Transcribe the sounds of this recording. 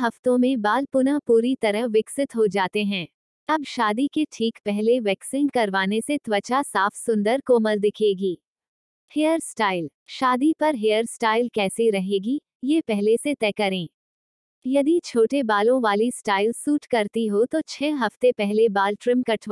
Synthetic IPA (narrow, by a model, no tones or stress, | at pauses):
ɦɐft̪õmẽbaːlpʊnapuːɾit̪ɐɾəɦʋɪksɪt̪ɦod͡ʒaːt̪eɦɛ̃ː | ɐbʃaːd̪ikeʈʰiːkpɛɦleʋɛːksɪ̃ŋɡkɐɾʋaːneset̪ʋɐt͡ʃasaːfʰsʊ̃nd̪əɾkoːməld̪ɪkʰeːɡiː | hejəɾsʈaːɪl | ʃaːd̪ipɐɾɦejəɾsʈaːɪlkɛːsiɾɐɦeːɡi | jepɛɦleset̪ɛːkɐɾẽː | jɐd̪it͡ʃʰoːʈebaːlõʋaːlisʈaːɪlsuːʈkɐɾt̪iɦot̪ot͡ʃʰɛːɦɐft̪epɛɦlebaːlʈɾɪmkɐʈʰː